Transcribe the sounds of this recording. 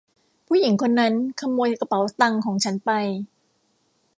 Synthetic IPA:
pʰuː˥˩˨ji˩˦ŋkʰo˧nːa˦˥nkʰa˧mːoː˧jtka˧pa˩˦wt̪a˧ŋkʰɔː˨˩˦ŋt͡ɕʰa˦˥npa˧j

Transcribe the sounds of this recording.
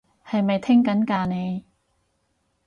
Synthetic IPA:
hɐ˨jmɐ˨jt̪ʰɪ˥ŋkɐ˨˥nkaː˧ne˨˧j

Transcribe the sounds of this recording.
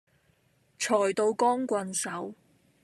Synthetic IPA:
t͡ʃʰɔː˨˩jt̪o˧wkɔː˥ŋkʷɐ˧nsɐ˨˥w

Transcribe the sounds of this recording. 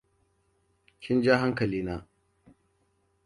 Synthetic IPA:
kʲɪ˦nd͡ʒaː˦ɦa˦ŋkɐ˨liː˦naː˦

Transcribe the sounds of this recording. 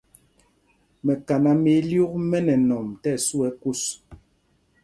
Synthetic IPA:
mɛ˨ka˨na˨me˨˦lju˦k̚mɛ˦nɛ˨nɔ˨mtɛ˦˨su˦ɛ˦ku˦s

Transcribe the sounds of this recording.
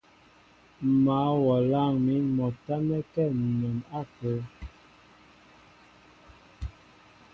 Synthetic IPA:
ma˨˦wɔ˨la˦˨ŋmi˨˦mɔ˨ta˦mɛ˦kɛ˦˨n˨mɔ˨na˦˨pə˨˦

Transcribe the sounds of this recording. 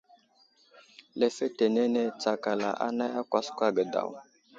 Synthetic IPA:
le˦fe˦te˨ne˦ne˦t͡sa˨ka˨la̰˨ʔa̰˦na˦ja˦kʷa˦skʷa˦ɡə˨da̰˨w

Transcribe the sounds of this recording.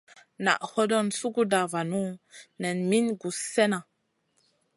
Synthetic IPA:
na̰˨ʔhɔ˦dɔ˦˨nsu˦ɡu˦da˨va˨nu˦nɛ˨nmi˦nɡu˨sɛ˦na˨

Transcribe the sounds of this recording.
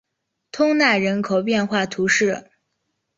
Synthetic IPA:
t̪ʰʊ˥ŋna˥˩ɻə˧˥nkʰo˨˩ʊpjɛ˥˧nxwa˥˩t̪ʰu˧˥ʂɻ̩˥˩

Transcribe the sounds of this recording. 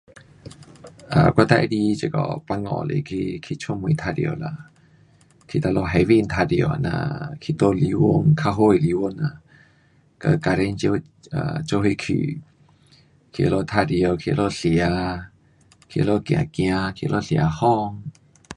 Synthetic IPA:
ʔa̰˨kʷa˧t̪a̰˧˨˧di˧t͡ɕə˨kɔ̰˨pa˧ŋɔ̰̃˧˨lḛ˨kʰi˧kʰi˧t͡ʃʰo˦˨mũ˧˨˧t̪ʰa˧djo̰˧˨la˧˨ | kʰi˧t̪a˧lo˧ɦɛ˧vi˦˧˨nt̪ʰa˧djo̰˨a˨nã̰˧kʰi˧t̪o˧˨li˧wo˧ŋkʰa˧ɦo˧˦˨i˨li˧wo˧na˧˨ | kə˧ka˧ɾe˧˦nt͡ɕo˧˦˧ | a̰˧˨t͡ʃo˧˦ɦi˧kʰḭ˧˨ | kʰi˧ʔə˧lo˧t̪ʰa˧di˧˨o˧˨kʰi˧ə˧lo˧ɬi˨a˨˧˦ | kʰi˧ə˧lo˦˧˨kjã̰˨kj̃ã˧kʰi˧lʔo˧ɬja˧hɔ˦˧ŋ

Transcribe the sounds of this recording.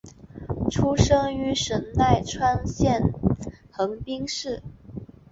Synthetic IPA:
ʈ͡ʂʰu˥ʂɤ˥ŋy˧˥ʂə˧˥nt̪a˥˩ɪʈ͡ʂʰwa˥nɕjɛ˥˩nxɤ˧˥ŋpi˥ŋʂɻ̩˥˩

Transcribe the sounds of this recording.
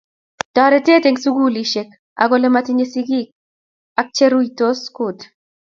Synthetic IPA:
ta˨ɾɛ˦te˦teŋsu˦ɡu˦li˨ʃe˨k̚ | a̰ɡolɛ˨mati˦ɲe˦si˦ɡi˦k̚ | a˨k̚t͡ʃe˦ɾu˦ito˦skut

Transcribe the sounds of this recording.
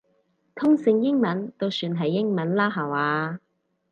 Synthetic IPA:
t̪ʰʊ˥ŋsɪ˧ŋjɪ˥ŋmɐ˨˥nt̪o˥˧wsyː˧nɦɐ˨jːɪ˥ŋmɐ˨˥nlaː˥ɦaː˨˩waː˨˧

